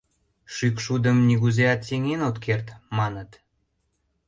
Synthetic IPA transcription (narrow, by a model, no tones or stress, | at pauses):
ʃykʃud̪əmniɣuzeɑt̪seŋenot̪kʰert̪mɑnət̪